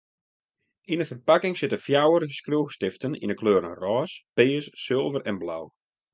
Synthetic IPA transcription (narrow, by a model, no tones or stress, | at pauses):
inəfərpakɪŋsɪtəfjawəɾəskruːxstɪftənḭnəkʰløːɾənrɔːspeːəsːɪlˠvərɛnbla̰w